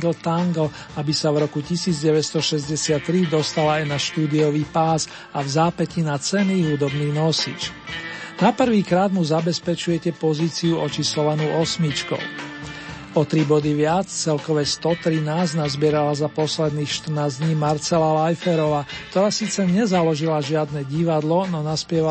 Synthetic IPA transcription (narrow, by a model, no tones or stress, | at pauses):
ɡl̩t̪aŋɡl̩ | abisavɾɔkucisiːd͡zɟɛʋɛtst̪ɔʃɛzɟɛsɪat̪ːɾid̪ɔst̪alaajnaʃt̪uːd̪iɔʋiːpaːs | avzaːpɛcinat͡sɛniːɦud̪ɔbniːnɔsḭːt͡ʃnapr̩ʋiːkɾaːd̪muzabɛspɛt͡ʃujɛcɛpɔziːt͡siuɔt͡ʃisɔlanuʔɔsmit͡ʃkɔ̰ʊ | ɔt̪ɾibɔd̪iʋɪat͡st͡sɛlkɔʋɛst̪ɔt̪ɾinaːznazbɪɛɾalazapɔslɛd̪niːxʃt̪r̩naːzd̪ɲiːmaɾt͡sɛlalajfɛɾɔʋaːkt̪ɔɾaːsiːt͡sɛɲɛzalɔʒilaʒɪad̪nɛɟiʋad̪lɔnɔnaspɪɛʋa